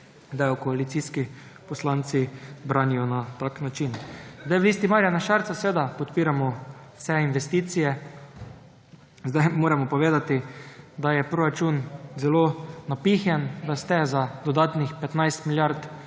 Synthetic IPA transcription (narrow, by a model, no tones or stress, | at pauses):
d̪ajɔkɔalit̪siski | pɔslant̪sibɾaːnijɔnat̪aknat͡ʃinzd̪ajʋliːst̪imaːɾjanaʃaɾsasɛʋeːd̪apɔt̪piːɾamɔ̥ | sɛinʋɛst̪iːt̪sijɛ | zd̪ajmoːɾɛmɔpɔʋeːd̪at̪id̪ajɛpɾoɾat͡ʃunzɛloːnapixjɛnd̪ast̪ɛzad̪ɔd̪aːt̪nixpɛt̪najst̪miljaɾt̪